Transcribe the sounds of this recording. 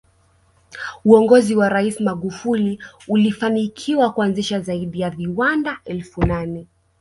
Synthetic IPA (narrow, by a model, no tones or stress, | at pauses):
uɔŋɡɔziwaɾaismaɠufuliulifanikʰiwakuanziʃazaiɗijaviwandaɛlfunanɛ